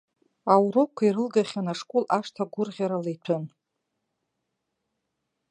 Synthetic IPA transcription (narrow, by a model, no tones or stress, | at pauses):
awɾokʷʰaiɾɨlɡaχʲanaʂkʷʼolaʂtʰaɡʷʊrʁʲaɾalejtʷʰɨn